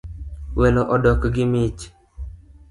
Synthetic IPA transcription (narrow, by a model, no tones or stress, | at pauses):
wenoʔɔdɔkɡɪmit͡ʃ